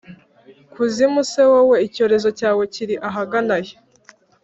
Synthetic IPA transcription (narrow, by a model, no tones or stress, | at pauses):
kuzimusewowe̞ico̞ːɾe̞zo̞caːwe̞ciɾiʔaɦaɡanaje